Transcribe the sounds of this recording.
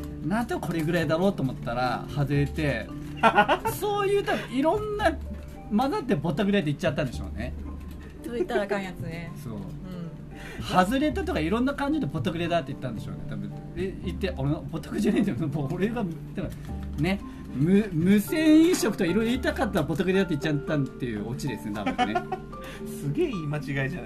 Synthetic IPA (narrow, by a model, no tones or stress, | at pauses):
nãnt̪oko̞ɾe̞ɡɯ̟ɾaid̪aɾo̞ːt̪oːmo̞t̪ːaɾa̰hazɨɾe̞t̪e̞ | soːjɯ̟ːt̪abɯ̃iɾõ̞nːa | mad̪at̪ːebo̞t̪ːaɡɯ̟ɾed̪eit͡ɕːt͡ɕːat̪ːãnd̪e̞ɕo̰ːne̞ | d̪ot̪ːaakaĩjat͡sɨnesõ̰ː | hazɨɾe̞t̪at̪o̞kaiɾõ̞nːakãɲ̟d͡ʑiot̪ebo̞t̪ːakɯ̟ɾed̪at̪ːei̥t̪ːãnd̪e̞ɕo̰ne̞t̪abɯ̟̰̃ | eit̪ːeʔoɾebo̞t̪ːḁkɯ̟d͡ʑinaĩemooɾeɡat̪abɯ̃ | ne̞ | mɯmɯ̟sẽ̞ɰ̃ĩɰ̃ɕo̞kɯ̟t̪okaiɾojɾoit̪akat̪ːaɾbo̞t̪akɯɾed̪at̪ːeit͡ɕːat̪ːãt̪ːe̞jɯ̰o̞t͡ɕid̪e̞sɨnet̪ab̰̃ne | sɨɡe̞ːiːmat͡ɕiɡaiʑan